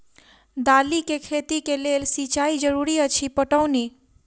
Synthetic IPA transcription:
d̪alikekʰet̪ikelelsit͡ʃaid͡ʒəɾuɾiət͡ʃʰipəʈəwni

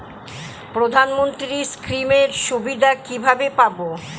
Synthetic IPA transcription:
pɾod̪ʱanmont̪ɾiskɾimeɾʃubid̪ʱakibʱabepabo

